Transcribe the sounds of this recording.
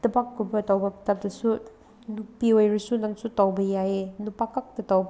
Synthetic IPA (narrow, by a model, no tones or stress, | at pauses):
dɐbakːubɐtawbɐptap̚dɐsu | nupiojɾisunaŋsutawbɐjajenupakak̚tɐtawb